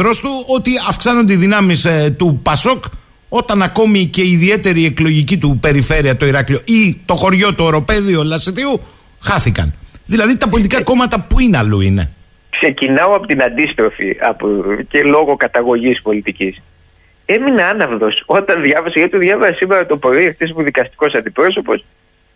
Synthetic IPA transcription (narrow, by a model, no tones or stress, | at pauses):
ɾo̞st̪uo̞t̪iɐfksɐnond̪eiðinɐmist̪upɐso̞k | o̞t̪ɐnɐko̞mice̞iːðie̞t̪e̞ɾie̞klo̞ʝicit̪upe̞ɾife̞ɾiɐt̪o̞iɾɐklio̞ʔit̪o̞xo̞ɾʝo̞t̪oeɾo̞pe̞ðio̞lɐsiθiu | xɐθikɐ̰nðilɐðit̪ɐpo̞lit̪ikɐko̞mɐt̪ɐpuineɐluine̞̰ | kse̞cinɐoɐpot̪inɐnd̪ist̪ɾo̞fḭɐ̰pocelo̞ɣo̞kɐt̪ɐɣo̞ʝispo̞lit̪icis | e̞mineɐnɐvðo̞so̞t̪ɐnðʝɐvɐsɐʝɐt̪it̪uðʝɐvɐsesimeɾɐt̪opɾo̞iext̪is̬poðikɐst̪i̥ko̞sɐnd̪ipɾo̞so̞po̞s